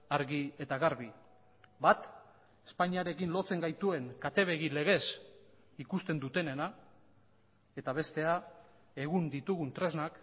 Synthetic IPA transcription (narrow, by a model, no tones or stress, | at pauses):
aɾɣie̞t̪aɣaɾβi | bat̪ | e̥spaɲiaɾe̞kinlo̞t͡se̞ŋɡajt̪ue̞ŋkat̪e̞βeɣile̞ɣ̞e̞s | ikust̪e̞nd̪ut̪e̞ne̞na | e̞t̪aβ̞e̞st̪e̞a | e̞ɣ̞und̪it̪uɣunt̪ɾe̞znak